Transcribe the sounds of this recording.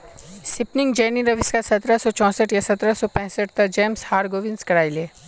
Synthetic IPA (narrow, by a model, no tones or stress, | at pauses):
sɪpnɪŋɡd͡ʒeːniɾɐʋɪskasɐt̪ɾasɔt͡ʃɔ̃ːsəʈjasɐt̪ɾasɔpɛ̃ɦsəʈ̚t̪ɐd͡ʒeːmshaːɾɡoːʋɪnskɐɽaːileː